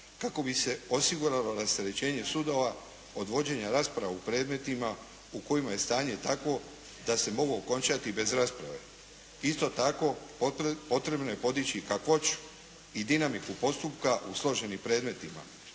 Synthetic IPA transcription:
kako̞bise̞o̞siɡuɾalo̞ɾast̪eɾe̞t͡ɕe̞ːɲe̞sud̪o̞ʋa | o̞d̪ʋo̞d͡ʑe̞ɲaɾaːspɾaʋaupɾe̞ːd̪me̞t̪ima | uko̞jimaje̞st̪aːɲe̞t̪akʋo̞ | d̪ase̞mo̞ɡoːko̞nt͡ʃat̪ibe̞zɾaːspɾa̰ʋe̞̰ | ist̪o̞t̪ako̞ | po̞t̪ɾe̞bnoje̞po̞d̪it͡ɕikakʋo̞t͡ʃ | id̪inamikupo̞st̪upkaʔuslˠo̞ʒe̞nimpɾe̞ːd̪me̞t̪ima̰

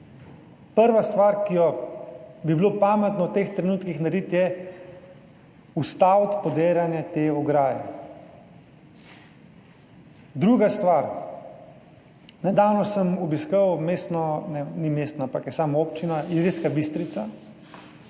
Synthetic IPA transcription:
pəɾʋast̪ʋaːɾkijɔ | bibilopaːmɛt̪nɔwt̪eːxt̪ɾɛnuːt̪kixnaɾit̪jɛ | ust̪awt̪pɔd̪eːljanjɛt̪eːɔɡɾaːjɛ̰ | d̪ɾuːɡast̪ʋaːɾ | nɛd̪aːwnɔsəmɔbiskəwmeːst̪nɔnɛnimeːst̪nɔampakjɛsaːmaoːpt͡ʃinaiɾeskabist̪ɾit̪sa

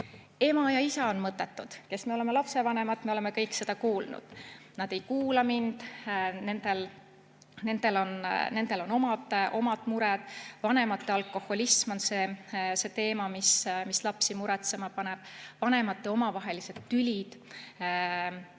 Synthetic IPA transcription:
e̞mɑjɑisɑonmɤt̪ːˑe̞t̪ːˑud̪̥ke̞sme̞o̞leme̞lɑpse̞vɑne̞mɑt̪ːmeo̞le̞me̞kɤjkse̞d̪̥ɑkuːlnṵd̪̥nɑd̪̥e̞jkuːlɑmind̪̥ne̞nd̪̥e̞l | ne̞nd̪̥e̞lo̞nne̞nd̪̥e̞lo̞no̞mɑd̪̥ʔo̞mɑd̪̥muɾɛd̪̥vɑne̞mɑt̪ˑːe̞ɑlkːˑo̞ho̞lismo̞nse̞se̞t̪e̞ːmɑmismislɑpsimuɾɛt̪se̞mɑpɑne̞b̥vɑne̞mɑt̪ːˑeo̞mɑvɑɦe̞lise̞d̪̥tːylʲid̪̥

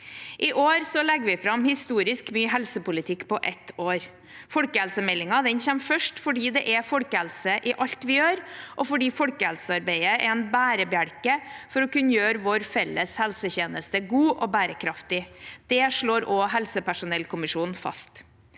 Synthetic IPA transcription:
ʔɪʔoːɾsɔlɛɡʋɪfɾɑmhɪst̪uːɾɪskmyːɦɛlsəpʊlɪt̪ʰɪkːpʰɔʔɛt̪oːɾ | fɔɽkəhɛlsəmɛlːɪŋɑd̪ɛnçɛmfœʂʈfɔɖiːd̪ɛʔɛfɔɽkəhɛlsəʔɪʔɑʎt̪ʋɪjøːɾʔɔfɔɖiːfɔɽkəhɛ̰lsəɑɾbeɪəʔɛɛnbæːɾəbjæɽkəfɔɾɔkʉnːəjøːɾəʋɔɾfɛlːəshɛlsəçeːnəst̪əɡuːʔɔbæːɾəkʰɾɑft̪ɪd̪̥ɛʂɭoːɾɔːɦɛlsəpæʂʊnɛlkʰʊmɪʂuːnn̩fɑ̰st̪

